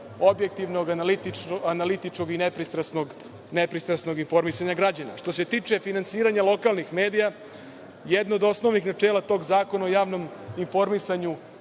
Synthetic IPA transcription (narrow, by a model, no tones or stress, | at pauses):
o̞bjek̚t̪iʋno̞ɡanalit̪ianalit̪it͡ʂko̞ɡinepɾist̪ɾasnoɡ | nepɾist̪ɾasno̞ɡinfo̞ɾmisaɲaɡɾad͡ʑana̰ʂt̪o̞se̞t̪iːt͡ʂe̞finansiːɾaɲalˠo̞kalnixme̞ːd̪ija | jed̪nood̪o̞sno̞ʋnixnat͡ʂeːlˠat̪o̞ːɡzaːko̞naojaːʋno̞minfo̞ɾmisaɲu